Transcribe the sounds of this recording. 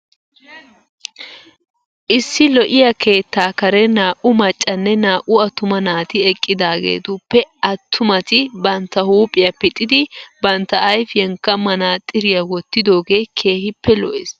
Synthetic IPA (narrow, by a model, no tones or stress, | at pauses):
ʔɪsːɪlɔʔɪjɐkʰe̞ːt̪ːaːkɐɾɛnaːʔʊmɐt͡ʃʼːɐnːɛnaːʔʊɐt̪ːʊmɐnaːt̪ɪɛkʼːɪd̪aːɡḛːt̪ʊpːɛɐt̪ʰːʊmɐt̪ɪbɐnt̪ːɐhuːpʼɪjɐpɪt̪ʼːɪd̪ɪbɐnt̪ːɐʔɐjfjɛŋkːɐmɐnaːt̪ʼɪɾɪjɐwɔt̪ːɪd̪o̞ːɡeːkʰe̞ːhɪpːɛlɔʔḛːs